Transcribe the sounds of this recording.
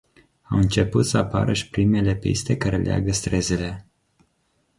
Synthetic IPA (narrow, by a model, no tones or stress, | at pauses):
awɨnt͡ʃe̞put̪səapa̰ɾəʃi̥pɾime̞le̞pḭst̪e̞kaɾelea̰ɡəst̪ɾe̞zele̞